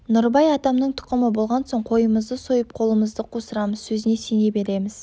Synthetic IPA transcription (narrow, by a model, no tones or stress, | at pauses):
nʊɾbɑjɑt̪ɑmnəɴt̪ʰʊ̥qəməbo̞lˠʁɑnso̞ɴqʰo̞jəməzd̪əso̞jəp̚qʰo̞lˠəməzd̪əqʰosəɾɑməzsɵzɪne̞sene̞be̞ɾe̞mɪz̥